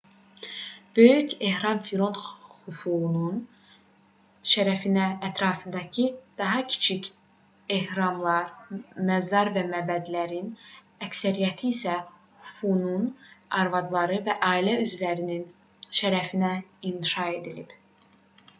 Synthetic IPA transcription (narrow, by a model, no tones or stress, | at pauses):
b̥ø̞jyce̞hɾɑmfiɾo̞nt̪hufuunun | ʃæɾæfinæːt̪ʰɾɑːfɯnd̪ɑcʰid̪̥ɑɦɑcʰi̥t͡ʃʰic | e̞hɾɑmlˠɑɾmæzɑɾvæmæbæd̪læɾin | æcsæɾijæt̪ʰiːsæ | hyfununɑɾvɑd̪lˠɑɾɯvæʔɑːilæyzlæɾinin | ʃæɾæfinæinʃɑe̞d̪ilḭb̥